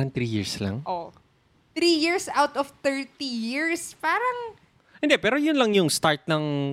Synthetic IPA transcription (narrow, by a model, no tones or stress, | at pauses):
ɾɐŋt̪ɾijɪɹslɐ̰ŋʔo | t̪ɾijiɹsawt̪ɔft̪ɛɹt̪ijiɹspaːɾɐŋ | ʔɪnd̪ɛpɛːɾojʊnlɐŋjʊŋst̪aɹt̪̚nɐŋ